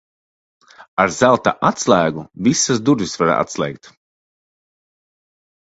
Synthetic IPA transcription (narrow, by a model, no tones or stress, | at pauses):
aɾzælˠt̪a̰ʔat̪slˠæːɡuvisazd̪uɾvisvaɾa̰a̰t̪slˠɛ̰jk̚t̪